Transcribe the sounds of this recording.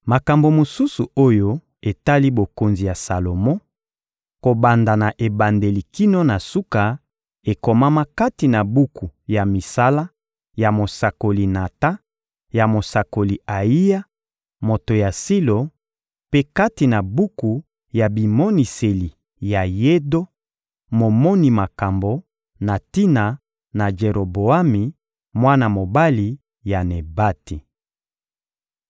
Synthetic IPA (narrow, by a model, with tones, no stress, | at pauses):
ma˨ka˨mbo˨mo˨su˦su˨o˦jo˦ | e˨ta˦li˦bo˨ko˨nzi˨ja˨sa˨lo˨mɔ˦ | ko˨ba˨nda˨na˨ʔe˨ba˨nde˨li˨ki˦no˦na˨su˦ka˨ | e˨ko˨ma˦ma˦ka˦ti˨na˨bu˦ku˨ja˨mi˨sa˦la˦ | ja˨mo˨sa˨ko˨li˨na˨ta˦ | ja˨mo˨sa˨ko˨li˨a˨i˦ja˦ | mo˨to˨ja˨si˦lo˨ | pe˦ka˦ti˨na˨bu˦ku˨ | ja˨bi˨mo˦ni˨se˨li˨ | ja˨je˦do˦ | mo˨mɔ˦ni˨ma˨ka˨mbo˨ | na˨ti˦na˨ | na˨d͡ʒe˨ɾo˨bo˨a˦mi˨ | mwa˦na˨mo˨ba˦li˨ | ja˨ne˨ba˦ti˨